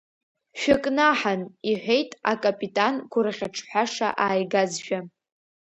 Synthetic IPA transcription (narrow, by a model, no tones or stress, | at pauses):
ʃᶣɪkʼnaħaniħʷᶣe̞jtʼakʼapʼitʼankʷʰʊɾaχʲaʈ͡ʂʰħʷaʂa̰ʔaːjɡazʒᶣa